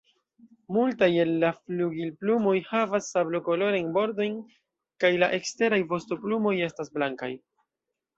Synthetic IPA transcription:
multaje̞lːafluɡilplumo̞jhavasːabloko̞lo̞ɾajnbo̞ɾdo̞jn | kajlaʔe̞kste̞ɾajvo̞stoplumo̞je̞stasblaŋka̰j

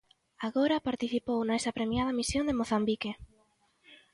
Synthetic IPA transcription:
aɣoɾapaɾt̪iθipownaesapɾemjað̞amisjond̪emoθambike

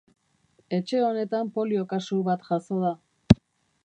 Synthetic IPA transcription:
e̞t͡ʃe̞o̞ne̞t̪ampo̞lio̞kasuβat̪ʝaso̞ða

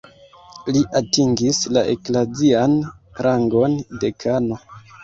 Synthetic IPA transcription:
liʔatiŋɡislaʔḛklazianɾʔaŋɡo̞nde̞kʰano̞

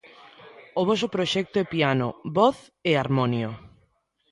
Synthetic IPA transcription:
ʊβɔsʊpɾoʃɛk̚t̪oɛpianʊ̰βɔθ | ɛaɾmɔnjo

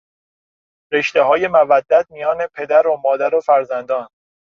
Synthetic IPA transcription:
ɾe̞ʃt̪e̞ɦɒːje̞mævæd̪ːæt̪̚mijɒːne̞pʰe̞d̪æɾomɒːd̪æɾofæɾzænd̪ɒːn

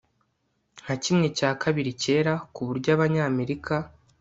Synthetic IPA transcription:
ŋ̥hacimŋe̞caːkʰaβiɾice̞ːɾakuβuɾɟaβaɲame̞ɾikʰa

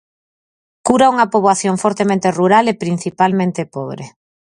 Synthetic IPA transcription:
kuɾauŋɐpoβwaθjoŋfɔɾt̪emẽnt̪eruɾalepɾin̟θipalmẽnt̪epɔβ̞ɾḛ

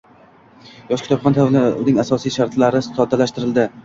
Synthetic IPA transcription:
jɒʃkʰʲɪ̥t̪ʰɒbχʰɒnt̪ʰavlʊnɪŋasɒsijʃaɾt̪ʰlaɾɪɒd̪alaʃt̪ɪɾɪld̪ɪ

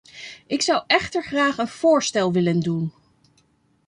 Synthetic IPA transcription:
ʔɪksʌwʔɛχtəɹχraːχənv̥ʊːɹstɛlˠʋɪləndun

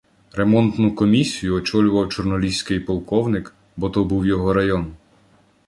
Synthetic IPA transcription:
ɾemɔnt̪nʊkɔmʲisʲijʊɔt͡ʃɔlʲʊʋɐwt͡ʃɔrnɔlʲisʲkɪjpɔlˠkɔwnɪk | bɔt̪ɔbuwjɔɦɔɾɐjɔn

